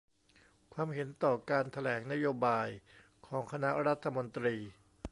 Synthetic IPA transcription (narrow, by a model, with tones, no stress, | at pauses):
kʰwaː˧mɦe˩˦nt̪ɔː˨˩kaː˧nt̪ʰa˧lɛː˩˦ŋna˦˥joː˧baː˧j | kʰɔː˩˦ŋkʰa˧na˦˥ʔɾa˦˥t̪ʰːa˧mo˧nt̪ɾiː˧